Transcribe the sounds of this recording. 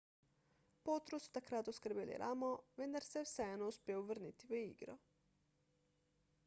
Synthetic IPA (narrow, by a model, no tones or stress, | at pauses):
poːt̪ɾusu̥t̪akɾaːt̪ɔskəɾbeːlḭɾʔamɔʋend̪aɾsɛwsɛɛnouspʲjeːuʋəɾnit̪iʋəiɡɾɔ̰